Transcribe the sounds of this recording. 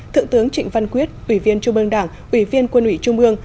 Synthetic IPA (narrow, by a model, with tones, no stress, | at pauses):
t̪ʰɨ̰˧˨ŋt̪ɨ˨˦əŋt͡ɕï˧˩ŋ̟va˧nkwi˦˥ət̚ʔwi˧˩vi˧ənt͡ɕʊ˧ŋ͡mʔɨ˧əŋɗaː˧˩ŋ | ʔwi˧˩vi˧ənkwə˧nʔwḭ˧˩t͡ɕʊ˧ŋ͡mʔɨ˧əŋ